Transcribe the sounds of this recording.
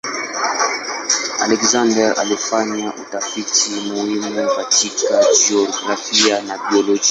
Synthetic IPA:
a̰lɛkzandɛɾa̰lifaɲaʔutafitʰimuhimukatʰikaʒiɔɡɾafianabiɔlɔd͡ʒia

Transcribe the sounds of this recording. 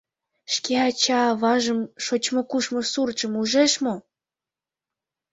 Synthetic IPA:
ʃkeɑt͡ɕɑβɑʒə̆mʃot͡ɕmŏkuʃmŏsurt͡ʃə̆muʒeʃmo

